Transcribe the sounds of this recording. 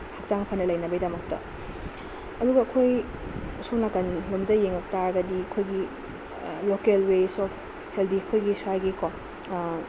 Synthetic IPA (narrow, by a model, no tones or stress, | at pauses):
hɐk̚t͡ʃaŋpʰɐnːɐlɐjnɐbɐjdɐmɐk̚tɐ̰ | ɐduɡɐːkʰoj | sonakɐnlumdɐjeŋɐk̚taɾɐɡɐdiɐkʰojɡi | lokelwesɔpʰ | heldiɐkʰojɡisajɡikɔ